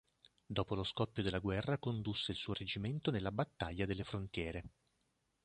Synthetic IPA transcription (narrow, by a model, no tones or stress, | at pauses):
d̪ɔːpoloskɔpːjod̪elːaɡwɛrːakond̪usːeilsuːoɾed͡ʒiment̪onelːabat̪ːaʎːad̪elːefɾont̪jɛːɾe